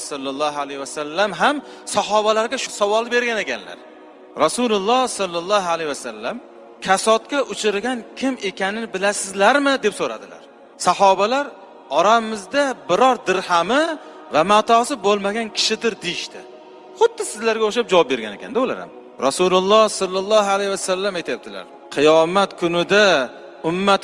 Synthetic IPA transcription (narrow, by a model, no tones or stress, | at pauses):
sɒlˠːɑlˠːɑɦalejvasalːamɦam | sɑɦɒbalaɾɡʲaʃʊsavɒlˠɪbe̞ɾɡʲane̞kʲʰanla̰ɾ | ɾasulʊlˠːɑsɒlˠːɑlˠːɑɦalejvasalːam | kʲʰasɒt̪̚kʲaʔʊt͡ʃʰɪɾɡʲankʲʰɪme̞kʲʰanɪnɪbɪlasɪzlaɾmɪd̪e̞psoɾa̰d̪ɪla̰ɾ | sɑhɒbalaɾ | ɒɾammɪzd̪abɪɾɒɾd̪ɪɾhamɪ | vamat̪ʰɒsɪbolˠmaɡʲankʲʰɪ̥ʃɪd̪ɪɾd̪ejɪʃt̪ʰɪ̰ | χʊd̪ːɪsɪzlaɾɡʲaoχʃap̚d͡ʒavɒp̚be̞ɾɡʲanekʲʰa̰nd̪aʊla̰ɾa̰m | ɾasulʊlˠːɑsɒlˠːɑlˠːɒhalajvasalːamajt̪ʰajap̚t̪ʰɪla̰ɾ | qʰɨjɒmat̪kʰʊnɪd̪a | ʊmːat̪